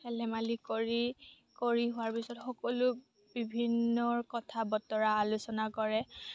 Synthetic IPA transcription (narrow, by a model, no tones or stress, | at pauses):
ɛlɛmalikɔɹi | koɹiɦʊwaɹpisɔtxɔkɔlʊ | bibʱinːɔɹkɔtʰabɔtɔɹaːlʊsɔnakɔɹɛ